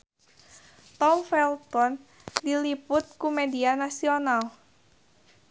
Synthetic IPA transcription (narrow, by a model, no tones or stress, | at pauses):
t̪ɔmfɛlt̪ɔn | dilipʊt̪̚kumedianasional